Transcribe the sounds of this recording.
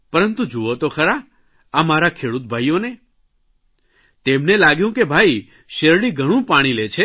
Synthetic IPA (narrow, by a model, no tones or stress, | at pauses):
pəɾənt̪ũd͡ʒuot̪okʰəɾa | amaɾakʰeɽut̪̚bʱajjone | t̪emnelaɡjũkebʱai | ʃeɾɽiɡʱəɽ̃ũpaɽ̃ilet͡ʃʰe